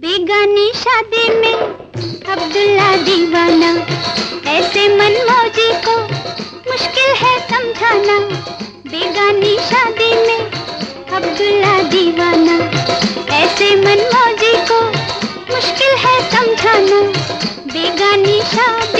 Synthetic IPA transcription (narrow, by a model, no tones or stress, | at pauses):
beːɡaːniʃaːd̪imẽ | ɐbd̪ʊlːad̪iːʋaːnaː | ɛːsemɐnmoːd͡ʒiko | mʊʃkɪlɦɛsɐ̃md͡ʒʱaːna | beːɡaːniʃaːd̪imẽ | ɐbd̪ʊlːad̪iːʋaːnaːɛːsemɐnmɔːd͡ʒiko | mʊʃkɪlɦɛsɐ̃md͡ʒʱaːna | beːɡaːniʃaːd̪